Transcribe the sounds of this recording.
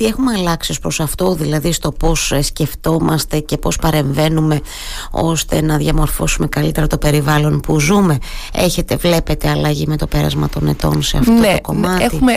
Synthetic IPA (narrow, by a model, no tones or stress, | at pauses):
t̪ie̞xumeɐlɐksio̞spɾosɐft̪o̞ðilɐðist̪o̞po̞ssce̞ft̪o̞mɐst̪e̞ce̞po̞spɐɾe̞ɱve̞nume̞ | o̞̰st̪e̞̰nɐðʝɐmo̞ɾfo̞sume̞kɐlit̪e̞ɾɐt̪o̞pe̞ɾivɐlo̞npuzume̞e̞çe̞t̪e̞vle̞pe̞t̪e̞ɐlɐʝime̞t̪o̞pe̞ɾɐ̰zmɐ̰t̪o̞ne̞t̪o̞̰nse̞ɐ̰ftot̪ooko̞mɐt̪iume